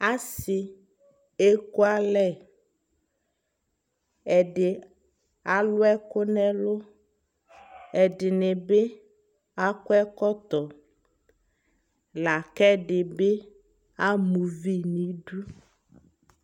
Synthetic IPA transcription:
a˦si˨ | e˦ko˦a˦lɛ˦˨ | ɛ˨ɖe˨ | a˦lo˦ɛ˦ko˦nɛ̃˦lo˦ | ɛ˨ɖɪ˨ne˨be˦ | a˦ko˦ɛ˦kɔ˦t̪ɔ˨ | la˨kɛ˦ɖe˨be˦ | a˦mu˨vi˦nĩ˨˦ɖu˦

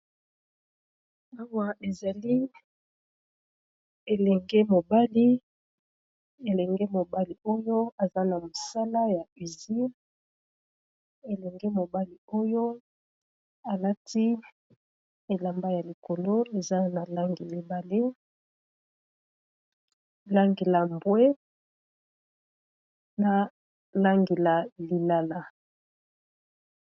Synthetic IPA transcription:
a˦wa˦ʔe˨za˨li˦ | e˨lɛ˨ŋɡe˦mo˨ba˦li˦ | e˨lɛ˨ŋɡe˦mo˨ba˦li˨o˦jo˦a˨za˦na˨mo˨sa˦la˦ja˨i˨zi˦ | e˨lɛ˨ŋɡe˦mo˨ba˦li˨o˦jo˦ | a˨la˦ti˦ | e˨la˨mba˦ja˨li˨ko˨lo˦e˨za˦na˨la˦ŋɡi˨li˨ba˨le˦ | la˦ŋɡe˨la˨mbwe˦ | na˨ | la˦ŋɡe˨la˨li˨la˨la˨

